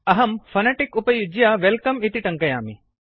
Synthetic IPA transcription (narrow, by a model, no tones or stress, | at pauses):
ɐɦɐmfʰɐneːʈɪkʊpəjʊd͡ʑijaːʋelkɐmit̪iʈɐ̃ŋkɐjaːmḭ